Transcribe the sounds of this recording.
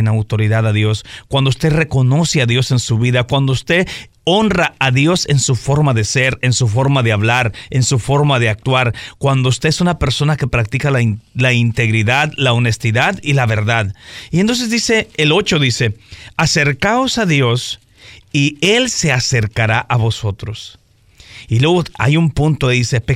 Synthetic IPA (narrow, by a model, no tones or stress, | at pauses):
enawt̪o̞ɾiðaðaðjo̞skwand̪oust̪e̞re̞ko̞no̞seaðjo̞se̞nsuβiðakwand̪oust̪e̞ | o̞nraaðjo̞se̞nsufo̞ɾmaðe̞se̞ɾensufo̞ɾmaðe̞aβlaɾensufo̞ɾmaðe̞ak̚t̪waɾkwand̪oust̪e̞esunape̞ɾso̞nake̞pɾak̚t̪ikalalaint̪e̞ɣɾiðaðlaone̞st̪iðaðilaβe̞ɾðaðient̪o̞ns̬e̞zd̪ise̞ːlo̞t͡ʃo̞ðise̞ase̞ɾkao̞saðjo̞s | ie̞lse̞ase̞ɾkaɾaʔaβo̞so̞t̪ɾo̞s | ilweɣoa̰jumpũnt̪oeðise̞pe